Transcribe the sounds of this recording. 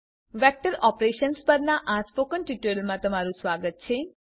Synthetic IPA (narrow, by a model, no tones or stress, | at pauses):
ʋɛk̚ʈəɾɔpɾeʃənspəɾnaʔãspokənʈiʈəlmãt̪əmaɾũsʋaɡət̪̚t͡ʃʰe